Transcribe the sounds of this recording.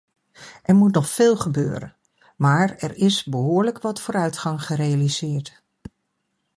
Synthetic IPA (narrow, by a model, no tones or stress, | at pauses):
ʔɛɹmutnɔχfɪːlˠχəbø̰ːɾə̰n | maːɹɛɹɪsbəɦʊːɹləkʋɑtfoːɾœɥtχɑŋχərejalizɪːɹt